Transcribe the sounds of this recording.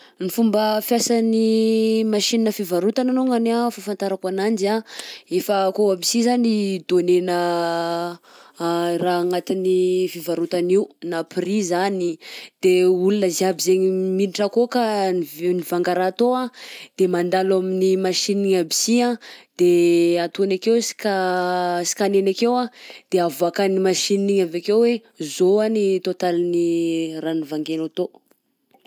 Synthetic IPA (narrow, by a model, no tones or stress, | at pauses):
nifumbəfjasanimaʃininəfivaɾut̪ananoŋanafafant̪aɾakanand͡ʒiaefəkoabisizanid̪onenə | raːŋat̪inifivaɾut̪aniunapirizanid̪̥eulunəziabizeŋminiʈ͡ʂəkokanvnivaŋɡaɾaːt̪oad̪̥emand̪alaminimaʃiniiɲabiziad̪̥eat̪unakewsi̥kasi̥kanenakewad̪̥eavakanimaʃiniiɲavakewwe | zoanit̪ot̪aliniranivaŋɡenat̪o